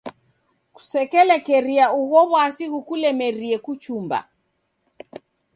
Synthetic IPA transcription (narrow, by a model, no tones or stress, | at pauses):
ku̥sɛkɛlɛkɛɾiauɣɔβɔasiɣukulɛmɛɾiɛkut͡ʃumba̰